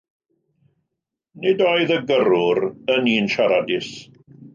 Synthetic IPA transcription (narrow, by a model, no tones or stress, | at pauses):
nɪdoːɨðəɡəɾʊɾəniːnʃaɾadɪs